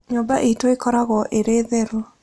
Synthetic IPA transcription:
ɲoba̰ʔitoekɔɾaɣɔʔeɾeðeɾo

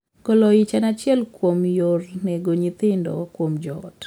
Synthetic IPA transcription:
kɔlɔɪt͡ʃanat͡ʃɪɛlkwomjornɛɡoɲit̪ɪndɔ̰kwomd͡ʒɔt

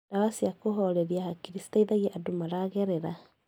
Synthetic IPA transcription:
d̥awasiakoɦɔɾɛɾiahakiɾisi̥taiðaɣeʔadomaɾaɣɛɾeɾa

